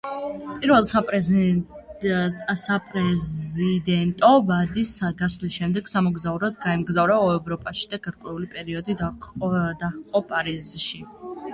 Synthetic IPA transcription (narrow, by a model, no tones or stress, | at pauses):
pʼiɾvɛlˠsapʼɛ | sapʼɾɛid̪ɛnt̪ʼɔbad̪isaɡasvlisʃɛmd̪ɛɡ̥samɔɡzauɾɔd̪ɡaɛmɡzavɾaɔɛvɾɔpʼaʃi̥d̪aɡ̥aɾkʼwɛulipʼɛɾiɔd̪id | d̪aqʼɔpʼaɾizʃi